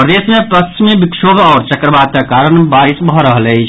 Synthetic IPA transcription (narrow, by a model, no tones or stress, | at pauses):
pɾəd̪esmẽpəsʰmẽbikʃobʱɔːɾt͡ʃəkɾəbat̪akaːɾənbaːɾisbʱɔɾəɦəlɛt͡ʃʰ